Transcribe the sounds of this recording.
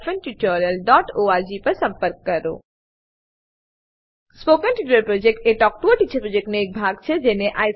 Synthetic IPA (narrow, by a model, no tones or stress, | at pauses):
fənʈuʈoːɾjəlɖɔːʈoːaːɾd͡ʒipɐɾsɐ̃mpəɾkːɐɾo̰ː | spoːkənʈiʈɾəlpɾoːd͡ʒek̚ʈeʈɔːk̚ʈuəʈit͡ʃʰəpɾoːd͡ʒek̚ʈmeːk̚bʱaːɡt͡ʃʰed͡ʒeːnẽʔaːɪ